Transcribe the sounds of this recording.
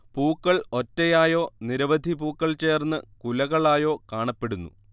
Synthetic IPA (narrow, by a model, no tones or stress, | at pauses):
puːkːɐɭo̞tːejaːjo̞ːniɾɐʋɐd̪ʱipuːkːɐɭt͡ɕe̞ːrnːɨkulɐɣɐɭaːjo̞ːkaːɳɐpːe̞ɽunːṵ